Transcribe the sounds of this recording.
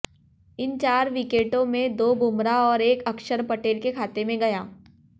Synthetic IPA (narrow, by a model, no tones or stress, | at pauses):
ɪnt͡ʃaːɾʋɪkeːʈõmẽd̪oːbʱʊmɾaɔːɾeːkɐkʃəɾpɐʈeːlkekʰaːt̪emẽɡɐjaː